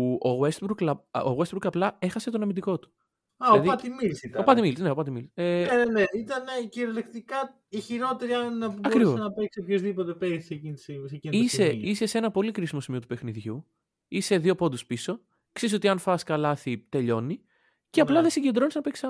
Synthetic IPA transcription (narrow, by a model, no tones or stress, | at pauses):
oɣwest̪buɾklɐo̰west̪buɾkɐplɐe̞xɐse̞t̪onɐmind̪iko̞t̪u̥ | ɐolɐðiɐt̪imilisit̪ɐopɐt̪imilisne̞opɐt̪imiliseneneneit̪ɐneciɾelekt̪ikɐ | içiɾo̞t̪eɾiɐnbɐkɾivvsoenɐpeksepçozðipot̪e̞pesecinsiseciniseise̞se̞nɐpo̞likɾisimo̞simiot̪u̥pe̞xniðʝu | ise̞ðio̞po̞nd̪uspiso̞ | ksizs̬o̞t̪iɐnfɐskɐlɐθit̪e̞ʎo̞ni | ceɐplɐðesiɲɟe̞nd̪ɾo̞nisnɐpeksɐ